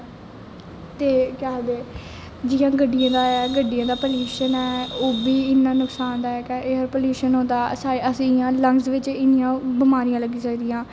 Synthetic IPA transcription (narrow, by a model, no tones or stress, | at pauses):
t̪eːkɛːd̪eː | d͡ʒiːjãːɡəɖːijãːd̪aːɛːɡəɖːijãːd̪aːpəljuːʃənɛːoːbiːɪnːãːnʊksaːnd̪aːɛːkɛʔeɦəɾpəljuːʃənɦõːd̪aːsaːəsĩjãːləŋɡsʋɪt͡ʃɪnɪjãːbɪmaːɾijãːləɡiːsəkd̪ijãː